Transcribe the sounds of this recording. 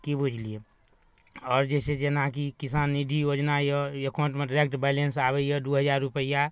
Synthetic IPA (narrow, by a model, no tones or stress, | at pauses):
kibuːd͡ʒʱlie | ɔːɾd͡ʒɛsed͡ʒenak̬ikɪsaːnːid̪ʱijoːd͡ʒnajɔjəkoʈmẽɖɾek̚ʈbɛlensabəjɔd̪uːɦəd͡ʒaːɾːʊpəija